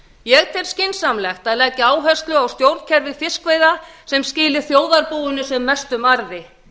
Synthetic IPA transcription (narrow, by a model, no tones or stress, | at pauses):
jɛɣt̪ʰɛɾ̥scɪnsamlɛxt̪aðlɛcːɪaːwɦɛst̪lʏawst̪jowɾð̥cʰɛɾvɪfɪskveːjðasɛmscɪːlɪ̥θjoːwðaɾpuːwʏnʏsɛmːɛst̪ʏmaɾðɪ